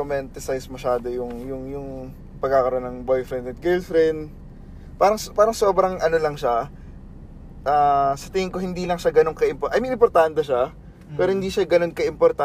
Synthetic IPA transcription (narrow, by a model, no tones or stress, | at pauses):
omɛnt̪ɪsɐjsmɐʃaːd̪o̞jʊŋjʊŋjʊŋ | pɐɡ̚kːakɐɾonːɐŋbo̞jfɾɛnd̪ɐt̪̚ɡɛlfɾɛnd̪ | paːɾɐŋspaːɾɐŋso̞ːbɾɐŋʔɐno̞lɐŋʃa | ʔaːsɐt̪ɪŋɪŋko̞hɪnd̪iːlɐŋʃaɡɐno̞ŋkɐɪmpoʔɐjmɐɪmpoɾt̪aːnt̪ɛʃa | pɛːɾohɪnd̪iːʃaɡɐno̞nkɐʔɪmpoɾt̪a